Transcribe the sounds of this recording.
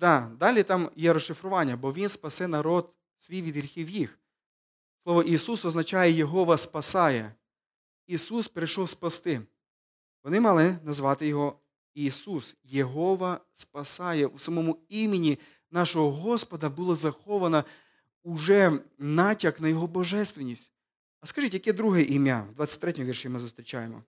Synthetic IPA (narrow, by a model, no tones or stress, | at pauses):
d̪̥ɑd̪ɑlʲit̪ɑmjɛɾɔʃːɪfɾʊʋɑnʲːɐbɔʋʲinspɐsɛnɐɾɔd̪ | sʋʲijʋʲid̪ɦɾʲixʲiwjix | slˠɔʋɔʔisusɔznɐt͡ʃɑjɛjeɦɔʋɐspɐsɑjɛ | isuspɾɪjʃɔwspɐst̪ɪ | ʋɔnɪmɑlˠɪnɐzʋɑt̪ɪjɔɦɔ | isusjeɦɔʋɐspɐsɑjɛusɐmɔmʊimenʲi | nɑʃɔɦɔɦɔspɐd̪ɐbulˠɐzɐxɔʋɐnɐ | ʊʒɛnɑtʲɐknɐjɔɦɔbɔʒɛst̪ʋʲenʲːisʲtʲ | ɐskɐʒit̪ʲejɐkɛd̪ɾuɦɛʔimʲja̰d̪ʋɑtt͡sʲɐ̥tʲt̪ɾɛtʲmɔʋʲirʃɪmɪzʊst̪ɾʲɪt͡ʃajemɔ̰